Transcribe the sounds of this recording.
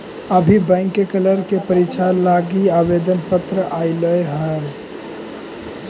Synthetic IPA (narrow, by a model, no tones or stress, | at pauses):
əbʱibə̃ɪŋkːekələɾkepəɾit͡ʃʰalaɡiabed̪ənpət̪ɾəʔaɪləeɦə